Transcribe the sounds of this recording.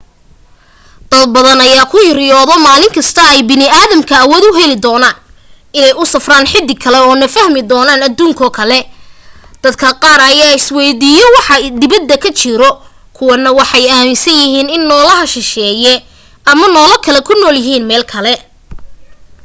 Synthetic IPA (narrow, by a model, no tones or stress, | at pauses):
d̪̥ɐd̪̚bɐðɐnɐjaːkʰʊjɪɾjɔːðɔmaːlɪŋkʰɐst̪ʰɐɛjbɪnɪaːðɐmkʰɐːwɔːd̪ʊɦɛlɪd̪ɔːnaːn | ɪnɛjʊsɐfraːnħɪd̪ɪkʰɐlɛɔːnɐfɐhmɪd̪ɔːnaːnɐd̪uːŋkʰɔːkʰɐlɛ | d̪̥ɐd̪kʰɐqɑːrɐjaːɪswɛjd̪iːjɛwɑħɑd̪ɪβɐd̪ːɐkʰɐt͡ʃɪɾɔ | kʰʊwɐnːɐwɑħɑjaːmɪsɐnjɪɦiːnɪnːɔːlɐɦɐʃɪʃɛːjɛ | ɐmɐnɔːlɐkʰɐlɛkʰʊnɔːljɪɦiːnmɛːlkʰɐlɛ